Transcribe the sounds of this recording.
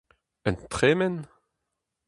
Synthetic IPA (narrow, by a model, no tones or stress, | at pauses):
ənt̪χeːmɛn